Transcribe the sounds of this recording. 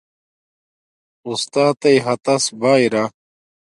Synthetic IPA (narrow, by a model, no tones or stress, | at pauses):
ust̪aːt̪ɐjɦɐt̪ɐsbaːiɾa